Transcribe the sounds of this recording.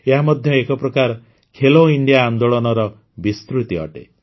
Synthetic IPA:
eɦamɔd̪ʱjɔekɔpɾɔkaɾ | kʰeloiɳɖjaːnd̪oɭɔnɔɾɔ | bist̪ɾut̪iɔ̰ʈḛ

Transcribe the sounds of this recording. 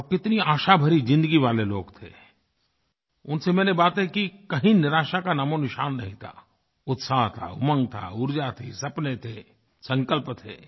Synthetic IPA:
kɪt̪niaːʃabʱɐɾid͡ʒɪ̃nd̪əɡiʋaːleloːɡt̪ʰḛː | ʊnsemɛ̃ːnebaːt̪ẽkikɐɦĩnɪɾaːʃakanaːmonɪʃaːnːɐɦĩt̪ʰa̰ː | ʊt̪saɦt̪ʰa̰ʊmə̃ŋɡt̪ʰa̰ʊɾd͡ʒat̪ʰisɐpnet̪ʰeː | sɐ̃ŋkəlpt̪ʰḛː

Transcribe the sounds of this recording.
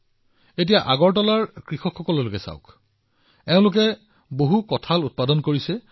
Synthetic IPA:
et̬ijaʔaɡɔɹtɔlaɹkɹixɔkʰxɔkɔlɔlʊkɛsa̰ʊk | ɛʊ̃lʊk̬ɛ | boɦukɔtʰalut̚padɔnkoɹisɛ

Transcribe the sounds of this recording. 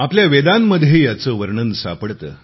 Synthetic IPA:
apljaʋed̪anməd̪ʱjejat͡səːʋəɾɳənsa̰pəɽt̪ə̰ː

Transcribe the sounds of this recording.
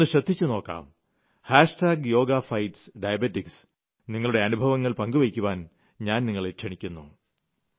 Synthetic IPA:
ɨɕrɐd̪ʱːit͡ɕːɨno̞ːkːa̰ːm | haːʂʈaːɡjo̞ːɡafɐjʈsɖɐjɐbetːiks | niŋːɐɭuɽe̞ɐnubʱɐʋɐŋːɐɭpɐŋɡuʋɐkʲːuʋaːn | ɲaːnniŋːɐɭeʈʂɐɳikʲːunːṵ

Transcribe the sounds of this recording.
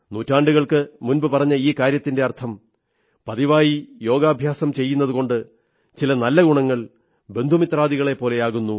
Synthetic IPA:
nuːtːaːɳɖuɣɐɭkɨmunbɨpɐrɐɲːɐiːkaːɾjɐt̪ːinde̞ɐrt̪ʰɐm | pɐðiʋaːjijo̞ːɡaːbʱjaːsɐmt͡ɕe̞jːunːɐðuko̞ɳɖɨ | t͡ɕilɐnɐlːɐɡuɳɐŋːɐɭ | be̞nd̪ʱumit̪raːd̪iɣɐɭe̞pːo̞ːle̞jaːɣunːu

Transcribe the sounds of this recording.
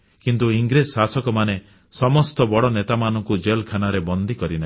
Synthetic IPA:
kint̪uiŋɡɾessasɔkɔmane | sɔmɔst̪ɔbɔɽɔnet̪amanɔŋkud͡ʒelkʰanaɾebɔnd̪ʱikɔɾina

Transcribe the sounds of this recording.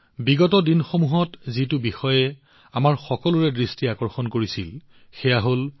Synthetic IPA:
biɡɔtɔdinxomuɦɔtzitʊbixɔjɛ | amaɹxɔkɔlʊɹɛdɹistiakɔɹxɔnkoɹisil | xɛjaɦol

